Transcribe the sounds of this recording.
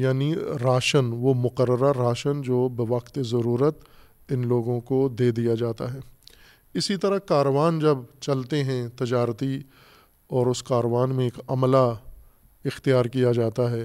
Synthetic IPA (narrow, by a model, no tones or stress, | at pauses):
jaːniɾaːʃənʋomʊqəɾːəɾaɾaːʃənd͡ʒoːbɪʋɐqt̪ezɐɾuːɾət̪ | ɪnloːɡõkod̪eːd̪ijad͡ʒaːt̪a̰ɦɛː | ɪsit̪ɐɾəkaːɾʋaːnd͡ʒɐbt͡ʃɐlt̪eɦɛ̃t̪ɪd͡ʒaːɾt̪i | ɔːɾʊskaːɾəʋaːnmẽeːkɐmla | ɪxt̪ijaːɾkijad͡ʒaːt̪aɦɛː